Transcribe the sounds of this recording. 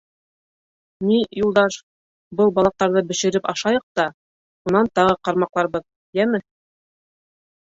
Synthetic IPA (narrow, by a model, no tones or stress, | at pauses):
nijulˠd̪ɑʃ | bɤlˠbɑlˠɑq̚t̪ɑɾðɤbɘ̆ʃɘ̆ɾɘpɑʃɑjɤq̚t̪ɑ | unɑnt̪ɑʁɤqɑɾmɑqlˠɑɾβɤð | jæmɘ